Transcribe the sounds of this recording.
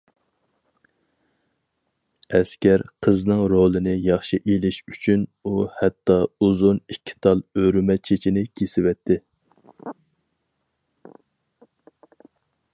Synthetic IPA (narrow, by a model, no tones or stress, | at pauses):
ɛskʲæɾqʰəznɨŋɾolˠɨnɪjɑχʃiʔelɪʃyt͡ʃʰynuhɛt̪ːɑuzunikʲʰːi̥t̪ʰɑlˠøɾymɛt͡ʃʰet͡ʃʰinɪkʲʰesɪwɛt̪ʰːɪ